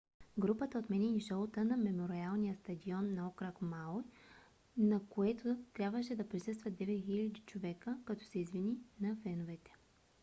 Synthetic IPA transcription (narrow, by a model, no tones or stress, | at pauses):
ɡɾupət̪əot̪mɛnɛiniʃɔlˠot̪ənɐmɛmoɾialˠnijəst̪ɐd̪iɔnːɐɔkɾakmalˠj | nɐkoɛt̪ʰʊt̪ɾʲjabvəʃɛd̪ɐpɾisɤst̪vɐd̪ɛvɛt̪xilʲɐd̪it͡ʃovɛkəkɐt̪ɔ̥sɛizvininɐfɛnʊvɛt̪ɛ̥